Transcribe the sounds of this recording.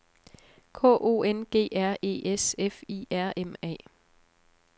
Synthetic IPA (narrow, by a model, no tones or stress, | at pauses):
kʰɔ̰ːʔo̝̰ːenɡ̥e̝̰ːæɐ̰e̝̰ːʔesefiːæɐ̰emɛ̰ː